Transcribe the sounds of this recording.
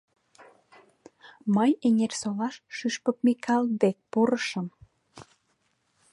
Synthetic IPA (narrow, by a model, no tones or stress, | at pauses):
məjenʲersolɑʃʃyʃpəp̚mikʰɑld̪ek̚puɾəʃə̆m